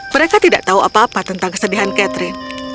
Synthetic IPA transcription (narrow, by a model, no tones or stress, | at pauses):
məɾekat̪ida̰ʔt̪auapaːpat̪ənt̪aŋkə̥sədiɦankɛt̪ɾɪn